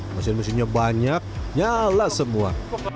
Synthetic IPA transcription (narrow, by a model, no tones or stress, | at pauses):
masɪnməs̬ɪnɲabaɲak̚ɲalasəmua